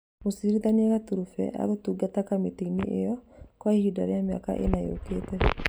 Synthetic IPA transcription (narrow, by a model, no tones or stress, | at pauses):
mosiɾiðaɲaɣatoɾufɛ̰ʔa̰ɾotuːɡatakameteiniʔejɔkwahida̰ɾeamea̰ka̰ʔḛnajeo̰ketɛ